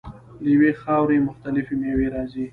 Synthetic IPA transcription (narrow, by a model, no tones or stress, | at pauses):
ləjwexɑwɾemʊxt̪alɪfemeweɾɑzi